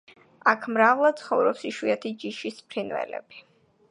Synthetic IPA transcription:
akʰmɾavlˠad̪̥̚t̪sʰχɔvɾɔpsiʃwiɛt̪ʰid͡ʒiʃispʰɾinvɛ̰lɛ̰b̥i

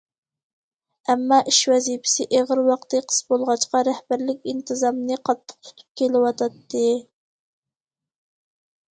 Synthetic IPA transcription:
ɛmːɑʔiʃwɛzipʰɪ̥sɪʔeʁəɾwɑqt̪ɨqʰə̥sbolˠʁɑt͡ʃqɑɾɛhbæɾlɪkʲint̪ʰɨzɑmnɨqʰɑt̪ʰːə̥q̚t̪ʰu̥t̪ʰu̥p̚kʲʰelɪwɑt̪ʰɑt̪ːɨ

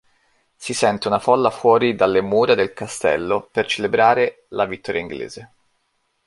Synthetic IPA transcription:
sisɛnt̪eunafɔlːafwɔːɾid̪alːemuːɾad̪elkast̪ɛ̰lːopert͡ʃelebɾaːɾe | lavit̪ːɔːɾjaiŋɡlḛːz̥e

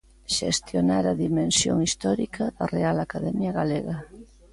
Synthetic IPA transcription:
ʃḛst̪jonaɾaðimẽnsjo̰ŋist̪ɔɾikʰaðɐrealakaðɛmjaɣaleɣɐ

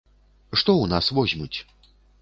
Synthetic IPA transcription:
ʂt̪ɔwnasvɔzʲmʲut͡sʲ

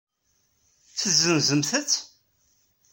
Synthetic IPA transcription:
t͡sːəzːənzəmθət͡sː

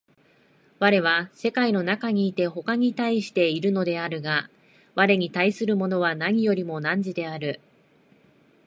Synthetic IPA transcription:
βaɾe̞β̞ase̞kaino̞nakaɲ̟iːt̪e̞ɦo̞kaɲ̟it̪aiɕi̥t̪e̞iɾɯ̟no̞d̪e̞aɾɯ̟ɡa | βaɾe̞ɲ̟it̪aisɨɾɯ̟mo̞no̞βanaɲ̟ijo̞ɾʲimo̞nãɲ̟d͡ʑid̪e̞aɾɯ̟

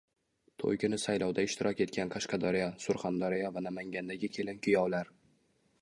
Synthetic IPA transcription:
t̪ʰo̰jkʰʲɪnɪsajlɒwd̪aɪʃt̪ʰɪɾʔɒkʲe̞t̪kʲʰanqʰɑʃqɑd̪ɒɾijasʊɾχand̪ɒɾijavanamaŋɡʲand̪aɡʲɪkʲʰe̞lɪmkʲʰʊjɒwlaɾ

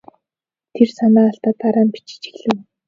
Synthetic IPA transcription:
t̪ʰersanaːɬt̪aːt̪ːaɾaːmpi̥t͡ɕɪ̥̆t͡ɕĭ̥ɣɮɘ̆w

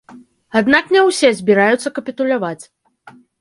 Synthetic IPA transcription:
ad̪naknʲɛwsʲɛzʲbʲiɾajut̪sːɐkɐpʲit̪ulʲavat͡sʲ

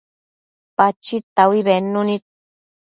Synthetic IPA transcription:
pat͡ʃit̪awiβenunit̪̚

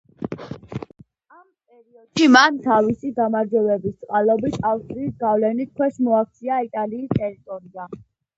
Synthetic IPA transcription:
ampʼɛɾiɔd̪̥ʃimant̪ʰavisid̪amaɾd͡ʒwɛvɛbist̪sʼqʼalɔbit̪ʰafst̪ʼɾiːsɡavlɛnit̪̚kʰwɛʃmɔak̚ʰt̪sʰiait̪ʼaliːst̪ʼɛɾit̪ʼɔɾia

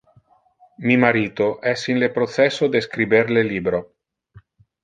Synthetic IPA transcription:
mimaɾiːt̪oʔɛsinlepɾot̪sɛsod̪eskɾibeɾleliːbɾo

